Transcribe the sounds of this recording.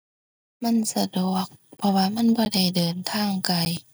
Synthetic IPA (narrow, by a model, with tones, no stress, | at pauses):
ma˧˥˨nsa˧du˨˩ək̚pʰɔ˧waː˧˨ma˧˥˨nbɔː˧da˧˩jdɤː˨˩nt̪ʰaː˧˥˨ŋka˨˩j